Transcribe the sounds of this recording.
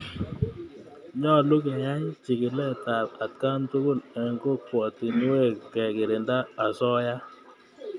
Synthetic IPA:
ɲɔ˦˨lu˦ke˨ja˦ɲ˦t͡ʃi˨ki˨lɛ˦˨ta˨a˨t̚ka˦ntu˦ɡo˦˨lɛ˨ŋɡo˦˨kwɔ˨ti˨n˦we˦˨kɛ˨kɪ˨ɾɪ˨nda˦a˨sɔ˦ja˦

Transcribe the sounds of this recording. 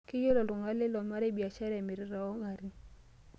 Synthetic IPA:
kɪ˦jo˦lɔ˨lʊ˨ŋa˦lɪ˦lɔ˨ma˦ɾe˦bi˨a˨t͡ʃa˦ɾe˨mɪ˨ɾɪ˨˦ɾa˨ɔ˦ŋa˨ɾi˦

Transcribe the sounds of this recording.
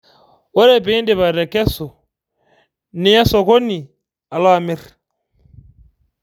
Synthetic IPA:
wɔ˦ɾɛ˨piː˦ndɪ˨βa˨ɾɛ˨kɛ˦sɔ˨ | nɪ˨˦ja˦sɔ˨ko˦ni˨ | a˨lwa˦˨mi˦ɾ

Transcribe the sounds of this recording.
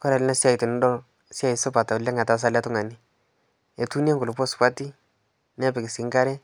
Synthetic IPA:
kɔ˦ɾa˨lɪ˦na˦sja˨i˨tu˨n˦dɔ˦ | sja˨i˨sʊ˦pa˨ta˨lɛ˦ŋa˨ta˨˦s̬a˦la˦tʊ˦ŋa˨ni˦ | e˨tu˦n˦a˦ŋɡʊ˨lʊ˨pɔ˦spa˦ti˦ | nɛ˦pɪ˨kɪ˨ski˨˦ŋɡa˦ɾɛ˦

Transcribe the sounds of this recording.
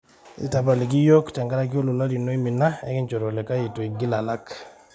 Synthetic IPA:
ḭ˦ta˨ba˨li˨k̬i˦jɔ˦kta˨ŋɡa˦ɾa˦k̬o˦lu˨la˦li˨no˦i˦mi˨na˦ɛ̰˦ki˦nt͡ʃɔ˨ɾɔ˨lɛ˨ka˦ji˨to˨i˨ɡi˦la˨la˦k

